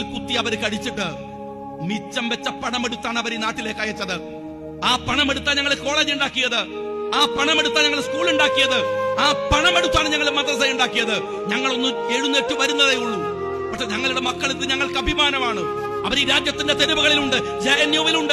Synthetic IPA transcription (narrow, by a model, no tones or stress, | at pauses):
lkut̪ːiɐʋɐɾkɐɽit͡ɕːiʈːɨ | mit͡ɕːɐmʋet͡ɕːɐpɐɳɐmeɽut̪ːaːɳɨɐʋɐɾenaːʈːile̞ːkːɐːjɐt͡ɕːɐðɨ | aːpɐɳɐme̞ɽut̪ːaːɲɐŋːɐɭiko̞ːɭe̞ːd͡ʑuɳɖaːkːijɐðɨaːpɐɳɐme̞ɽut̪ːaːɲɐŋːɐɭskuːɭuɳɖaːkːijɐðɨaːpɐɳɐmeɽut̪ːaːɳɨɲɐŋːɐɭmɐnd̪rɐs̬ɐjuɳɖaːkːijɐðɨ | ɲɐŋːɐɭo̞nːumeɻunːetːuʋɐɾunːɐðejuɭːu | pɐʈʂeɲɐŋːɐɭuɽe̞mɐkːɐɭiðɨɲɐŋːɐɭkɐbʱimaːnɐmaːɳɨ | ɐʋɐɾiɾaːd͡ʑjɐt̪ːinde̞t̪eɾubɐɣɐɭiluɳɖɨ | d͡ʑɐjɐnjoːʋiluɳɖɨ